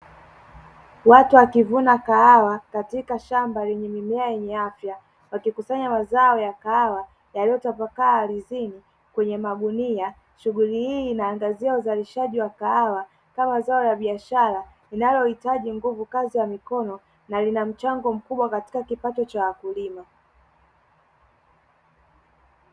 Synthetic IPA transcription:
watuwakivunakaawakatikaʃambalɛɲɛmimɛajɛɲɛafja | wakikusaɲamazaɔjakaawa | jalijɔtapakaːɾizini | kwɛɲɛmaɠunia | ʃuɣulihiːnaːŋɡaziauzaliʃaʄiwakaawa | kamazaɔjaɓiaʃaɾa | inajɔhitaʄiŋɡuvukazijamikɔnɔ | nalinam̩t͡ʃaŋɡɔm̩kuɓwakati̥kakipatɔt͡ʃawakulima

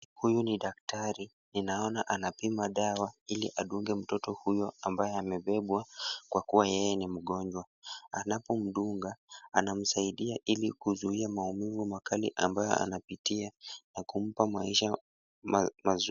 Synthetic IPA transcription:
hujuniɗaktaɾi | ninaɔnaʔanapimaɗawailḭʔaɗuŋɡɛm̩tɔtɔhujɔambajɛamɛɓɛɓwakwakuwajɛjɛnim̩ɠɔɲd͡ʒwa | anapɔm̩ɗuŋɡaanam̩saiɗiaʔilikuzuiamaumivumakʰalḭʔambajɔ̰a̰napitianakum̩pamaiʃa | mamaz

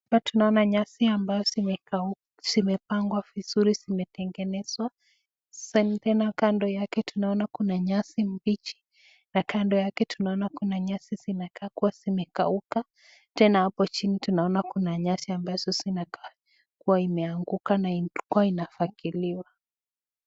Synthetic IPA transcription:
atunaɔnaɲasiambajɔzimɛkau | simɛpaŋɡwaviz̥uɾizimɛtɛŋɡɛnɛzwḁ | sanitɛnakandɔjakɛtunaɔnakunaɲasim̩bit͡ʃi̥ | nakandɔjakɛtunaɔnakunaɲasizinakakuwasimɛka̰uka | tɛnahapɔt͡ʃinitunaɔnakunaɲasiambaz̥ɔsinaka | kuwaimɛaŋɡukanaiukuwainafakiliwa

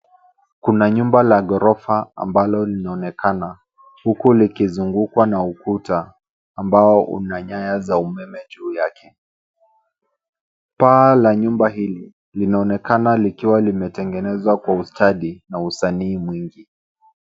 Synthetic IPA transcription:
kunaɲumbalaɠɔɾɔfaa̰mbalɔlinaɔnɛkʰana | hukulikizuŋɡukwanaukutaː | mbaɔʔṵnaɲajazaumɛmɛd͡ʒuːjakʰɛ | paːlaɲumbaɦili | linaɔnɛkanalikiwalimɛtɛŋɡɛnɛzwakwaustaɗinausaniːmwiŋɡi

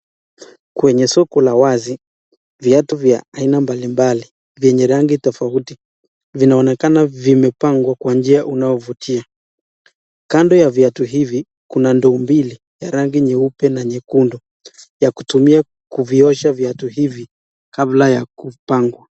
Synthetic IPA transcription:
kwɛɲɛsɔkɔlawazi | viatuvja̰ainambalimbali | vjɛɲɛɾaŋɡitɔfauti | vinaɔnɛkanavimɛpaŋɡwakwand͡ʒiaʔunaɔvutʰia | kandɔjavjatuɦivi | kunandɔːmbili | jaɾaŋɡiɲɛupɛnaɲɛkundɔ | jakutumia | kuviɔʃavjatuhivi | kablajakupaŋɡwa

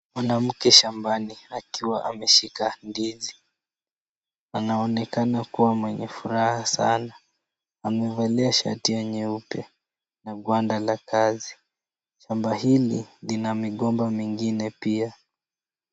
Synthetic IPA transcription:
mwanam̩kɛʃambaniakiwaʔamɛʃikandizi | anaɔnɛkanakuwamwɛɲɛfuɾahasa̰na | amɛvɛlɛaʃa̰tiɛɲɛupɛ | naɡwandalakazi | ʃambahililinamiɠɔmbamiŋɡinɛpia

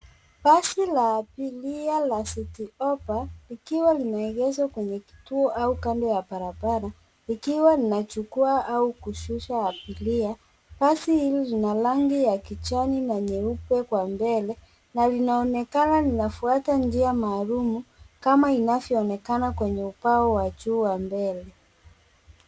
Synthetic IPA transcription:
pasilaːpilialasitiɔpalikiwalinaɛɣɛzwakwɛɲɛki̥tuɔʔaukandɔjabaɾabaɾa | ikiwalinat͡ʃukuaʔaukuʃuʃaːpilia | pasihililinalaŋɡijakit͡ʃaninaɲɛupɛkwambɛlɛ | nalinaɔnɛkanalinafuatand͡ʒiamaːlumukamainavjɔɔnɛkanakwɛɲɛupaɔwaʄuːwambɛlɛ

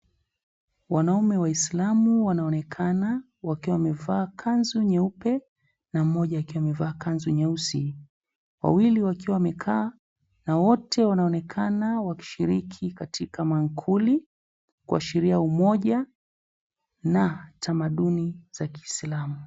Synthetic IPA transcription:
wanaumɛwaislamuwanaɔnɛkʰana | wakiwaamɛvaːkʰanzuɲɛupɛ | nam̩mɔʄaːkiwamɛvaːkanzuɲɛusi | wa̰wiliwakiwawmɛkʰaː | nawɔtʰɛwanaɔnɛkʰanawaki̥ʃiɾikʰikatʰikamaŋkʰuli | kua̰ʃiɾiaumɔʄa | natʰamaɗuniz̥aki̥ːslamu

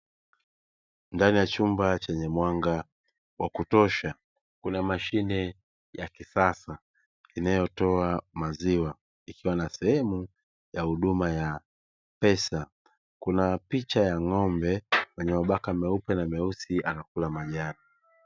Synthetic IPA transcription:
ndanijat͡ʃumbat͡ʃɛɲɛmwaŋɡa | wʔakutɔʃa | kunamaʃinɛ | jakisasa | inajɔtɔamaziwa | ikiwanasɛhɛmu | jahuɗumaja | pɛsa | kunapit͡ʃajaŋɔmbɛwɛɲɛwaɓakamɛupɛnamɛusiʔanakulamaʄani

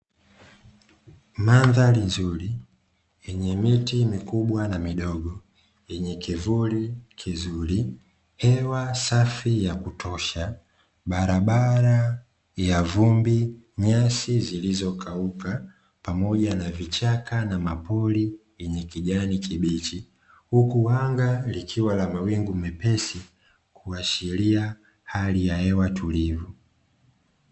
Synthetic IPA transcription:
manðalizuɾi | ɛɲɛmitimikuɓwanamiɗɔɡɔ | ɛɲɛkivulikʰizuɾi | hɛwasafijakutʰɔʃa | ɓaɾaɓaɾa | javumbi | ɲasizilizɔkʰauka | pamɔʄanavit͡ʃakanamapɔliwɛɲɛkiʄanikiɓit͡ʃi | hukuwaŋɡalikʰiwalamawiŋɡumɛpɛsi | kʰuaʃilia | halijahɛwatulivu

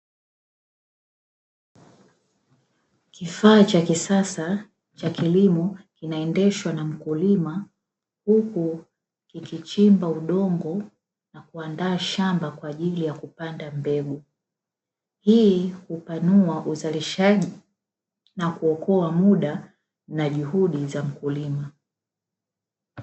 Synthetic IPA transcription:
kifaːt͡ʃakisasa | t͡ʃakilimɔkinaɛndɛʃwanam̩kulima | huku | kikit͡ʃimbauɗɔŋɡɔ | nakuandaːʃambakwaːʄilijakupandambɛɡu | hiːhupanuaʔuzaliʃaʄi | nakuɔkɔamuɗa | naʄuhuɗizam̩kulima

